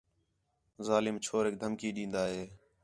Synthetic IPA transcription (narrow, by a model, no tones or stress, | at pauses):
zaːlɪmt͡ʃʰoːɾɦɪk̚d̪ʱəmkiːɗĩːnd̪aːɦeː